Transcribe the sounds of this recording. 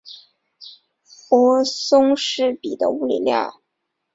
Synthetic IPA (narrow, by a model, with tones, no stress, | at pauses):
wɔ˧˥sʊ˥ŋʂɻ̩˥˩pi˨˩d̪ə̰˦u˥˩lḭ˨˩lja̰˥˩